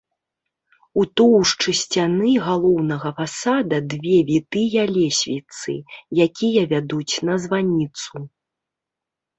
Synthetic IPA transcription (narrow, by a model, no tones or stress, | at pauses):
ut̪ɔwʂt͡ʂɨsʲt͡sʲanɨɣalˠɔwnɐɣɐfasad̪ɐd̪vʲɛvʲit̪ɨjɐlʲɛsʲvʲit̪sɨ̰jakʲijɐvʲad̪ut͡sʲnɐzvanʲit̪su